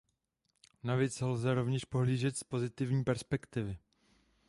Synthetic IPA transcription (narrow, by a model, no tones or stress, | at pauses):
navjɛt͡sɛlzɛɾo̞vɲɛʃpo̞ɦliːʒɛt̪spo̞zɪt̪ɪvɲiːpɛɾspɛkt̪ɪvɪ